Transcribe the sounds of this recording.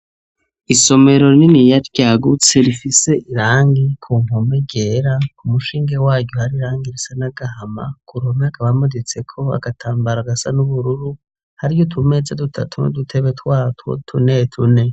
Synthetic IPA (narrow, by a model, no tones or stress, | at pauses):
iso̞me̞ɾo̞ninijaɾɟaːɡut͡se̞ɾifise̞ʔiɾaːŋɡikʰuːm̥umeɟeɾaumuʃiːŋɡewaːɟjohaɾiɾaːŋɡiɾisanaɡahama̰kuɾomiakʰaβamudet͡se̞kʰo̞a̰ɡatʰaːmbaɾaɡasa̰nuβuɾuɾu | haɾijotʰume̞zadutʰa̰tʰuno̰dutʰe̞βetʰwaːtwo̰tʰunetʰune̞